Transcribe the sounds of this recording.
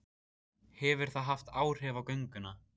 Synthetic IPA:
hɛvʏɾ̥θaðɦaft̪aːwɾ̥ɛvawkœɥŋkʏna

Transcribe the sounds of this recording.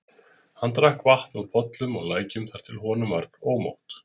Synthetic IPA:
hant̪ɾahkvaht̪nuðpʰɔt̪lʏmɔɣlaːjcʏmθaɾ̥t̪ʰɪlɦɔːnʏmvaɾðoːwmo̰wht̪

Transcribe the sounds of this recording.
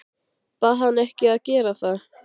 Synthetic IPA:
paɦanːɛhcɪaðcɛːɾaθað

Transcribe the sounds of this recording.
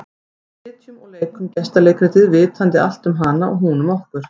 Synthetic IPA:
ɪːt̪jʏmɔɣleːjkʏmcɛst̪aleːjkʰɾʏt̪ʰɪðvɪːt̪ʰant̪ɪa̰l̥t̪ʏmɦanaʔɔ̰ɣɦuːnʏmɔwhkʏɾ̥

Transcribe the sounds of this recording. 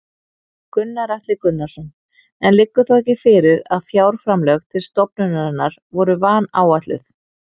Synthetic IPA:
kʏnːaɾaht̪lɪkʏnːasɔn | ɛnlɪkːʏθawɛcɪfɪɾɪɾaðfjaːwɾ̥fɾamlœɣt̪ʰɪlst̪ɔpnʏnaɾanːaɾvɔɾʏvaːnaːwat̪lʏ̰θ

